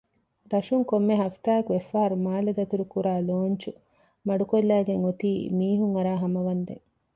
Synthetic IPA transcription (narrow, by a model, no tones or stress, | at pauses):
ɾɐʃuŋkomːeɦɐft̪aːɐkuʋefːaɦɐɾumaːlɐd̪ɐt̪uɾukuɾaːloːɲt͡ʃu | mɐɖukolːæːɡeŋot̪iːmiːɦuŋɐɾaːɦɐmɐʋɐnd̪ḛŋ